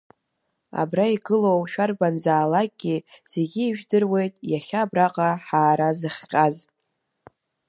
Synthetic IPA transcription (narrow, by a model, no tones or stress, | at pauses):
a̰braiɡɨlo̞wʃᶣarbanzaːlak̚ʼɡʲiz̥e̞ɡʲiːʒᶣdɨrwe̞jtʼjaχʲaːbraqʼaħaːɾazɨχʲqʲʼaz